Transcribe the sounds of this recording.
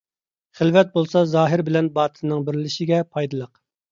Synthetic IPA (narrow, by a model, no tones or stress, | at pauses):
χɪlvɛt̪̚bolˠsɑzɑːɦɪɾbɪlɛnbɑːt̪ʰɨnːɨŋbɪɾlɪʃiɡʲɛpʰɑjd̪ɨlˠəq